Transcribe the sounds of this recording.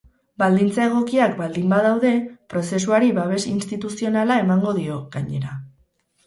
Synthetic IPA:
bald̪int͡sae̞ɣ̞o̞kiakbald̪imbaðawðe̞pɾo̞se̞s̬uaɾiβaβ̞e̞sinst̪it̪usio̞nalae̞maŋɡo̞ð̞io̞ɣaɲe̞ɾa

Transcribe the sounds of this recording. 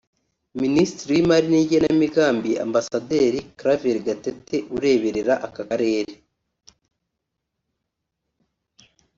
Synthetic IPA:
ministɾijimaɾiniːɟenamiɡaːmbia̰mbasade̞ːɾikɾaveɾɡatete̞ʔuɾe̞βe̞ɾe̞ɾaʔakakaɾe̞ːɾe

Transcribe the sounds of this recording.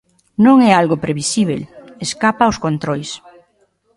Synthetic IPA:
nõŋɛalɣopɾeβisiβ̞ḛleskapaoskont̪ɾojs

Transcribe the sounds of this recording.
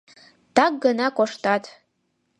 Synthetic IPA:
taɡːanakʷʼaʂtʰatʰ

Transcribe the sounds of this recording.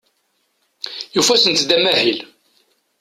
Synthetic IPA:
jufæsənt̪d̪æmæhil

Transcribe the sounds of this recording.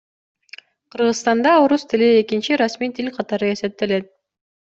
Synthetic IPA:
qʰɯɾʁɯsst̪ɑnd̪ɑoɾust̪ilie̞kint͡ʃiɾasmijt̪ʰilʲqʰɑt̪ɑɾɯe̞se̞p̚t̪ːele̞t̪̚

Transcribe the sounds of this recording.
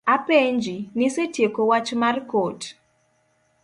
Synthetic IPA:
apeɲd͡ʒinɪsetjekowat͡ʃmarkot

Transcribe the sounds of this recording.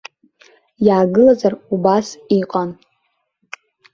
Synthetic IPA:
jaːɡɨlazarubasiqʼan

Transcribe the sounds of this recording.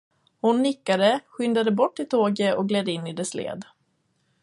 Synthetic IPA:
hʊnːɪkːad̪əɧʏnd̪ad̪əbɔʈːɪlt̪ʰoːɡəɔk̚ɡlɛd̪ːəɪnːɪd̪ɛslḛːd̪

